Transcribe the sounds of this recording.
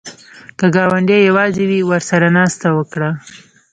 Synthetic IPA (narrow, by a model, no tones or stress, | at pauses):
kəɡɑwaɳɖejawɑzewiwəɾsaɾanɑst̪awəkɽa